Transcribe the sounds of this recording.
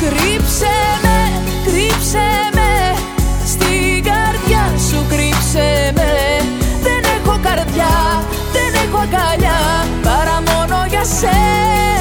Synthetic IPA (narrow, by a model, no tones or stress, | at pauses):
kɾipseme | kɾipseme | st̪iɡɐɾðʝɐsukɾipseme | ðenexo̞kɐɾðʝɐ | ðenexo̞ɡɐʎɐ | pɐɾɐmo̞no̞ʝɐse